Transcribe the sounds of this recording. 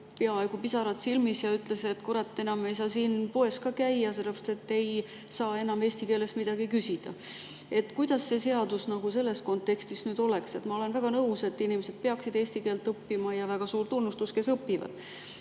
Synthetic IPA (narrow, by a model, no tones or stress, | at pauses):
pe̞ɑe̞ɡ̥upisɑɾɑd̪silmisjɑyt̪ːˑle̞set̪koɾɑt̪ːe̞nɑme̞jsɑːsiːnpoe̞skɑkæjɑse̞lːepr̥ɑ̥st̪et̪ːe̞j | sɑːe̞nɑme̞ːsʲt̪ike̞ːle̞smid̪̥ɑɡikysid̪̥ɑ̰e̞t̪ːˑkujd̪̥ɑsːe̞se̞ɑd̪usnɑɡ̥use̞lːe̞sko̞nt̪ːˑe̞kst̪isnyːd̪̥o̞le̞kse̞t̪ːˑmɑo̞le̞nvæɡ̥ɑnɤwse̞t̪ːinimese̞d̪̥̚pe̞ɑksid̪̥eːsʲt̪ike̞ːlt̪ːˑɤpːimɑjɑvæɡ̥ɑsuːrt̪unːust̪uske̞sɤpːivɑ̰d̪̥